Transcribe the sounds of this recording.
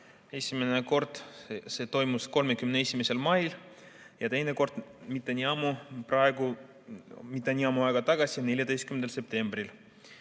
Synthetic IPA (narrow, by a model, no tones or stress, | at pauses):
e̞sʲimene̞ko̞rd̪̥se̞ːt̪o̞jmusko̞lme̞kymneesʲime̞se̞lmɑjl | jɑt̪e̞jne̞ko̞rt̪mit̪ːˑenʲiɑmuprɑeɡ̥u | mit̪ːˑenʲiɑmuɑˑeɡ̥ɑt̪ɑɡ̥ɑsʲine̞lʲjɑt̪e̞jst̪̚kymend̪else̞p̚t̪e̞mbril